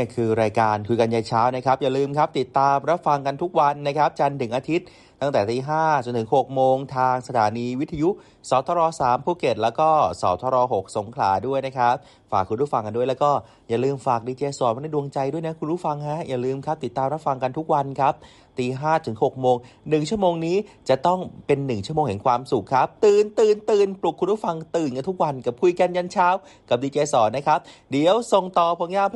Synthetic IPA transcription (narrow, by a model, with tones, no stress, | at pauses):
ni˥˩əkʰɯː˧ɾaː˧jkaː˧nkʰu˧ka˧nja˧jt͡ɕʰaː˦˥wna˦˥kʰa˦˥p̚jaː˨˩lɯː˧mkʰa˦˥p̚t̪i˨˩t̪ːaː˧mɾa˦˥p̚fa˧ŋka˧nt̪ʰu˦˥k̚wa˧nːa˦˥kʰa˦˥p̚t͡ɕa˧nt̪ɯ˩˦ŋʔaː˧t̪ʰi˦˥t̪̚ | tːa˥˩ŋt̪ɛː˨˩t̪iː˧ɦaː˥˩t͡ɕo˧nt̪ʰɯ˩˦ŋɦo˨˩k̚moː˧ŋt̪ʰaː˧ŋsa˧t̪ʰaː˩˦niː˧wi˦˥t̪ʰa˧ju˦˥ | sɔː˨˦˥wt̪ʰɔː˧ɾɔː˧saː˩˦mpʰuː˥˩ke˨˩t̪̚lɛː˦˥wkɔː˥˩sɔː˩˦wt̪ʰɔː˧ɾɔː˧ɦo˨˩k̚so˨˩˦ŋkʰla̰ː˩˦du˥˩əjna˦˥kʰa˦˥p̚ | faː˨˩kʰːu˧nɾu˥˩fa˧ŋka˧ndu˥˩əjlɛː˦˥wkɔː˥˩ | ja˨˩lɯː˧mfaː˨˩k̚diː˧t͡ɕeː˧sɔː˨˩˦nma˧da˥˩du˧əŋt͡ɕa˧jdu˥˩əjna˦˥kʰu˧nɾu˦˥˩fa˧ŋha˦˥ja˨˩lɯː˧mkʰa˦˥p̚t̪i˨˩t̪ːaː˧mɾa˦˥p̚fa˧ŋka˧nt̪ʰu˦˥k̚wa˧nkʰa˦˥p̚ | t̪iː˧ɦaː˥˩t̪ʰɯ˩˦ŋho˨˩k̚moː˧ŋnɯ˨˩ŋt͡ɕʰu˥˩əmoː˧ŋniː˦˥t͡ɕa˨˩t̪ɔ˥˩ŋpe˧nːɯ˨˩ŋt͡ɕʰu˥˩moː˧ŋhɛ˨˩˦ŋkʰwaː˧msu˨˩kʰːa˦˥p̚t̪ɯː˨˩nt̪ɯː˨˩nt̪ɯː˨˩nplu˨˩k̚ʰːu˧nɾʰu˥˩fa˧ŋt̪ɯː˨˩nka˧nt̪ʰu˦˥k̚wa˧nka˨˩p̚kʰu˧jka˧nja˧nt͡ɕʰaː˦˥w | ka˨˩p̚diː˧t͡ɕeː˧sɔː˨˩˦nːa˦˥kʰa˦˥p̚di˨˦əwso˨˩ŋt̪ɔː˨˩pʰu˧˦ŋjaː˥˩pʰ